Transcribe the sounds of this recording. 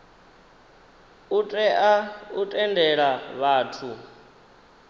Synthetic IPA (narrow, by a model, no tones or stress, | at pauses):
utʼɛʔautʼɛndɛɺaβaːtʰu